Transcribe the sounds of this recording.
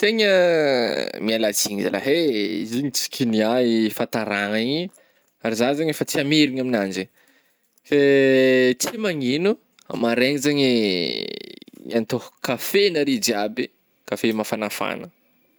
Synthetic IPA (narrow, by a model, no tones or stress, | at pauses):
t̪eɲə | mialat͡siɲiza̰la̰ɦeziɲit͡si̥kʲʰiniaifat̪aɾaŋai | aɾizazaɲefat͡siameɾiɲaminand͡ʒi | fe | t͡simaŋinu | a̰maɾeɲizaɲe | ant̪ohukafenaɾid͡ʒiabi | kafemafanafa̰nə